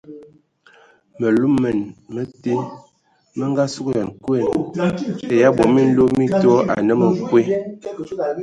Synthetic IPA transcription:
mə˨lu˦mːə˨nmə˦te˦ | mə˦ŋɡa˦su˦kja˨nkɛ˦˨n | e˨ja˦bɔ˨mi˦n̩˦lo˦mi˦tɔ˦ʔa̰˨nə˦mə˨kwe˦

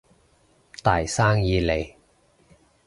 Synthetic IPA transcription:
t̪aː˨˩jsaː˥ŋjiː˨˧le˨j

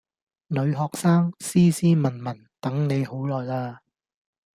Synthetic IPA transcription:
nɵ˨˧ɥɦɔː˨k̚saː˥ŋsiː˥siː˥mɐ˨˩nmɐ˨˩n | t̪ɐ˨˥ŋne˨˧jho˨˥wlɔː˨˩jlaː˧

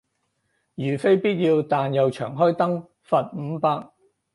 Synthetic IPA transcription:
jyː˨˩fe˥jpiː˥t̚jiː˧wt̪aː˨njɐ˨wt͡ʃʰœ̰ː˨˩ŋɦɔː˥jt̪ɐ˥ŋ | fɐ˨t̚m̩˨˧˥paː˧k̚

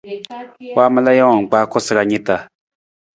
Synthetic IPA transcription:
wa˦ma˦la˦ja˦a˨ŋ˨k͡pa˦ko˦sa˨ka˨ɲi˦t̪a˨

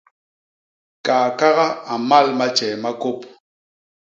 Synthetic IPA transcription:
kaː˨ka˦ɣa˦a˨ma˦˨lma˦t͡ʃɛ˨ma˦ko˦p

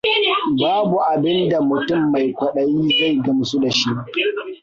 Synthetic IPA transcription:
baː˦bu˨ʔa˨bɪ˦nda˨mʊ˨tʊ˦˨mːa˨jkʷɐ˨ɗɐ˦jiː˦za˦˨jɡɐ˦msu˦da˨ʃi˦ʔ

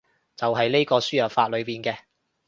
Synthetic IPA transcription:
t͡sɐ˨wɦɐ˨jne˥jkɔː˧syː˥jɐː˨˩faː˧t̚lɵ˨˧ɥpiː˨nkɛː˧

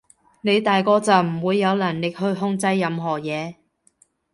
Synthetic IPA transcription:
ne˨˧jt̪aː˨jkɔː˧t͡sɐ˨wm̩˨˩wuː˨˧jːɐ˨˧wlɐ˨˩nlɪ˨k̚ɦɵ˧ɥɦʊ˧ŋt͡sɐ˧jːɐ˨˧mɦɔː˨˩jɛː˨˧

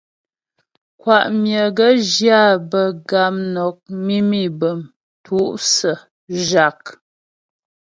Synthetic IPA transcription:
kwa˨ʔmjə˨ɡə˦ʒja˦˨bə˨ɡa˨˦mnɔ˨k̚mi˦mi˦˨bə˨m | tʰu˦ʔsə˨ | ʒa˨k̚

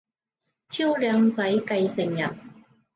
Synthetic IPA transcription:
t͡ɕʰi˥wljœː˨˧˥ŋt͡sɐ˨˥jkɐ˧jsɪ˨˩ŋjɐ̰˨˩n

